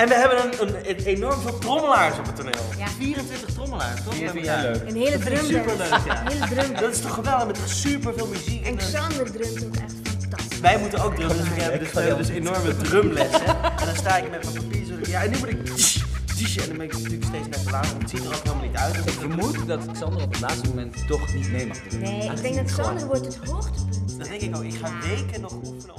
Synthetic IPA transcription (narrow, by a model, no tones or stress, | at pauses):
ɛnʋəɦɛbəndɑnnənenɔɹmvɪːlˠtrɔməlaːɹsɔpətːoneːlˠfiːrə̃nfɪːɹtəχtrɔməla̰ːɹstɔχɛəɦɪːlədømspəəjaədrømdɔtɪ̥stɔχəʋɛlˠdəχmɛtɔχsypəɹvɪːlˠmyzikɛnanddrømtokɛ | ɔ | ʋɛjmutənowk̚drømsɪkɦɛbdɵsʋɦɛbəndɵsenɔɹmədrømlɛsɛɛndɔnstaːɪkmɛtmɛpapiːrsɔtɪkjaɛnymutɪk̚diʃdiʃəɛndɔnbɛnɪkntyːkstejsbɛtəlaːtətsitdərokɦɪːlˠmalˠnitœɥtɔɪəmutdɔtɪksɔndərɔpətlaːtstəmomɛntːɔχnitmejmaχəneɪɡdɛŋk̚dɔtsɔndərəʋotətɦoxtəpəndɔdɛŋkɪkoɪkχaːʋejkənɔχun